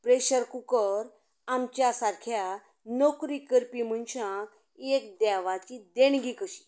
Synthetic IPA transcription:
pɾeɕəɾkukəɾ | amt͡ɕjasaɾkʰja | nokɾikəɾpim̤ənɕã | ek̚d̪ɛʋat͡ɕid̪eɽɡikəɕi̥

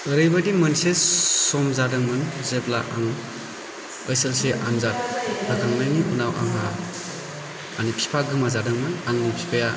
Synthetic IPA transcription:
ɯɾɯjbadimɯnsesɔmzadɯŋmɯnzeblaʔaŋ | əjselseʔanzat̚lakʰaŋnajniʔunawʔa̰ŋɦa | nipʰi̥pʰaɡɯmazadɯŋmɯnaŋnipʰi̥pʰaja

